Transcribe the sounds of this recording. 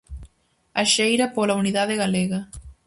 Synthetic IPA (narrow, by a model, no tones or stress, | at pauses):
aʃejɾapolauniðaðeɣaleɣɐ